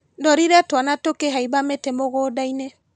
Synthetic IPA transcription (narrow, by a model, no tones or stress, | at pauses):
ndɔɾiɾɛtwanatokeɦaiβametemoɣodaine